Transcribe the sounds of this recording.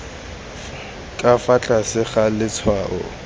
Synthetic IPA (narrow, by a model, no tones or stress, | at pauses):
kʼafat͡ɬʼasɪχalɪt͡sʰwaːʔʊ̰